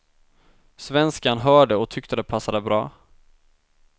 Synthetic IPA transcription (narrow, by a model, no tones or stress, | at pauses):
svɛnskanɦœːɖəɔt̪ʰʏkt̪əd̪ɛpʰasːad̪ɛbɾɑː